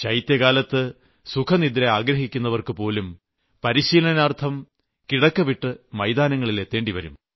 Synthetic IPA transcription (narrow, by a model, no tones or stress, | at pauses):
t͡ɕɐjt̪jɐɣaːlɐt̪ːɨ | sukʰɐnid̪ɾeaːɡɾɐɦikʲːunːɐʋɐrkɨpo̞ːlum | pɐɾiɕiːlɐɐnaːrt̪ʰɐm | kiɽɐkːɐʋiʈːɨmɐjd̪aːnɐŋːɐɭile̞t̪ːeːɳɖiʋɐɾum